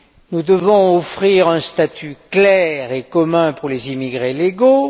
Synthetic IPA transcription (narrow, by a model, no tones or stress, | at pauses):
nud̪əvɔ̃ɔfχiʁɛ̃st̪at̪ʰyklɛʁekɔmɛ̃puʁlezimiɡʁeleɡo